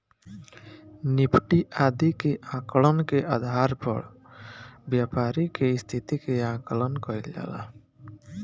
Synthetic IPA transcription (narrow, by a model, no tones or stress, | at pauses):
nipʰʈiʔaːd̪ikeʔãːklənkeʔəd̪ʱaːɾpɔ̰ɽ | bjaːpaːɾikeɪst̪ʰit̪ikeãːkələnkɔild͡ʒa̰ːla̰